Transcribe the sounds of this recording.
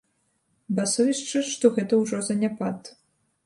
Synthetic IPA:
basɔvʲiʂt͡ʂɨʂt̪ɔɣɛt̪ɐwʐɔzɐnʲapat̪

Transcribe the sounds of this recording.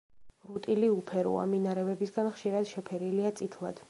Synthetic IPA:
ɾut̪ʼiliupʰɛɾṵa̰minaɾɛvɛbisɡanχʃiɾad̪̥ʃɛpʰɛɾiliat̪sʼit̪ʰlˠa̰d̪̥

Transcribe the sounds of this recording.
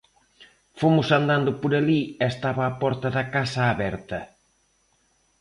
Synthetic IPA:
fomʊsand̪and̪ʊpʊɾɐliɛst̪aβɐːpɔɾt̪ɐðɐkasɐːβɛɾt̪ɐ

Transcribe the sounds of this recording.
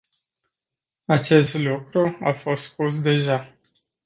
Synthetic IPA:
at͡ʃe̞st̪lukɾuafo̞st̪spus̬d̪e̞ʒa

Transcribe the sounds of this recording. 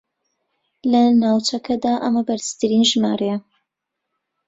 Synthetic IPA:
lɐnaːwt͡ʃɐkʰɐd̪aːʔɐmɐbɐɾz̥t̪ɨɾinʒmaːɾejɐ

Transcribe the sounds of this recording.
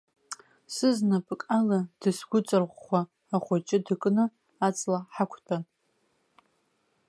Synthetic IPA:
sɨznapʼkʼalad̥ɨsɡʷʊt͡sʼɨrʁːʷaː | χʷat͡ʃʼɪdɨkʼnɨ | at͡sʼlaħakʷʰtʰʼan

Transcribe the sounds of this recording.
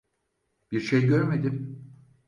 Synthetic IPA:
b̥iɾʃejɟøɾmed̪im

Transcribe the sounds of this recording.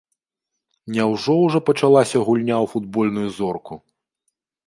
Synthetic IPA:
nʲɛwʐɔwʐɔpɐt͡ʂalˠasʲɐɣulʲnʲawfud̪̚bɔlʲnujuzɔrku

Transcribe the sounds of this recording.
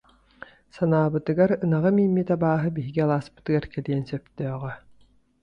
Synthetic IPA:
sanaːbɯt̪ɯɡaɾɯnaʁɯmiːmːit̪abaːɦɯbiɦiɡialˠaːspɯ̥t̪ɯɡaɾkɛliɛnsœpt̪œːʁœ

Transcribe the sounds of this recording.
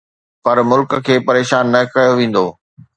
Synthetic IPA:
pɐɾmʊlkkʰeːpɐɾeːʃaːnːɐkɐjoʋẽːn̆d̪oː

